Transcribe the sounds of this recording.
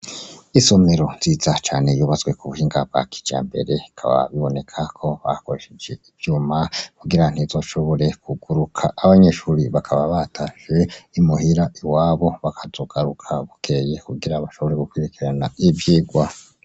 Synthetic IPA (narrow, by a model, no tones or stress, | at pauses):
iso̞me̞ɾo̞nz̥iːzat͡ʃaːne̞juːβazwe̞kuβuhiːŋɡa̰bɡa̰ki̥d͡ʒ̥a̰ːmbe̞̰ɾe̞ikʰa̰βa̰βiβo̞ne̞kʰakʰo̞βa̰ko̞ɾeʃed͡ʒe̞ivjuːmakuɡiɾan̥izo̞ʃo̞βo̞ɾe̞kʰuɡ̥uɾukʰaʔːβaɲe̞ːʃuːɾiβakʰaβaβatʰaʃe̞imuɦiɾaʔiwaːβo̞βakʰazoɡ̥aɾukʰaβukʰeje̞kuɡiɾaβaʃo̞βo̞ɾe̞ɡukwiɾikiɾanaivjiːɡwa